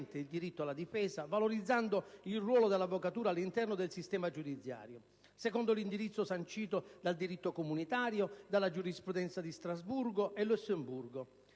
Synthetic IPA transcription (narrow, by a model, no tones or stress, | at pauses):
nt̪ɪild̪iɾit̪ːoalːad̪ifɛːsavaloɾid̪zːand̪oilrwɔːlod̪elːavːokat̪uːɾaːlːint̪ɛrnod̪elsist̪ɛːmad͡ʒud̪it̪sja̰ːɾjo | sɛkɔnd̪olind̪iɾit̪sːosant͡ʃiːt̪od̪ald̪iɾit̪ːokomunit̪aːɾjod̪alːad͡ʒuɾispɾud̪ɛnt̪sad̪ist̪ɾazbuɾɡoʔelːusːemburɡo